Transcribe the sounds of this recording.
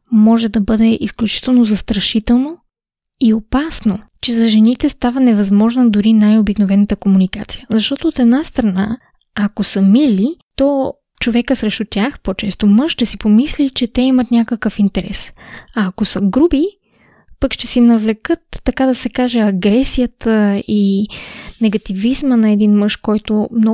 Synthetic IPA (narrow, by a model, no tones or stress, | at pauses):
mɔʒɛd̪ɐbɤd̪ɛʔisklʲut͡ʃi̥t̪ɛlˠnozɐst̪ɾɐʃit̪ɛlˠno | iopasnot͡ʃɛzɐʒɛnit̪ɛst̪avɐnɛvɐzmɔʒnɐd̪ʊɾinajobiknovɛnət̪əkomunikat̪sijəzɐʃt̪ɔt̪oːt̪ɛd̪nast̪ɾɐnaː | kosəmilit̪ɔ | t͡ʃovɛkəsɾɛʃt̪ʊt̪ʲjaxpot͡ʃɛst̪omɤʃt̪ɛsipomislit͡ʃɛt̪ɛimɐt̪nʲakəkəfint̪ɛɾɛ̰sɐːkosəɡɾubi | pəkʃt̪ɛsinɐvlɛkɤt̪ːɐkad̪ɐsɛkaʒɛɐɡɾɛsijət̪əi | nɛɡɐt̪ivizmənɐɛd̪inmɤʃkɔjt̪omnɔ